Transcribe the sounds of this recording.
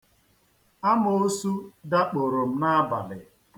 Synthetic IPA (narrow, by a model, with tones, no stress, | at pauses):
a˦m˦o˦su˦da˦k͡po˨ɾo˨m̩˦na˦ba̰˨lɪ̰˨